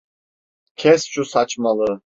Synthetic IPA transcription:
kʲʰɛst͡ʃʼusat͡ʃʼmalɨ

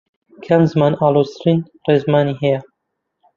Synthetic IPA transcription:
kʰanzɨmaːnaːloːst̪ʰɨɾiːn | reːzmaːniːɦɛjɐ

